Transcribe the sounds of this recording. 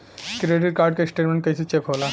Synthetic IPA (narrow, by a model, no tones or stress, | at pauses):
kɾeɖiɾkaɾɖkesʈeʈmẽɳʈket͡ɕʰut͡ɕekɦola